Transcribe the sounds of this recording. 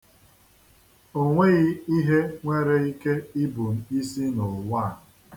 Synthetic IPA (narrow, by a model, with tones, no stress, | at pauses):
o˦ŋʷe˦ɣi˦i˦ɦe˦ŋʷe˦ɾe˦i˦ke˦i˦bu˨m̩˨˦i˦si˦nʊ˨lwa˦˨